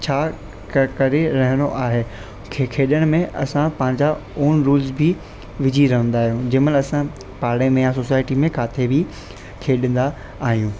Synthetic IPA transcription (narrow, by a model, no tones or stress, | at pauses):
t͡ɕʰaː | kɐɾeɾɐɦɪnoʔaːɦeː | kʰekʰeːɗəɽ̃mẽʔɐ̰sãpɐ̃ɦɪ̃ɲd͡ʑaoːnɾuːlzbʱɪ | ʋɪd͡ʑʱiɾɐɦə̃nd̪aːɦijũd͡ʑɪməlɐsã | paːɽemẽjãsoːsaːɪʈimẽkaːt̪ʰebi | kʰeːɗə̃nd̪aː | ɦijũː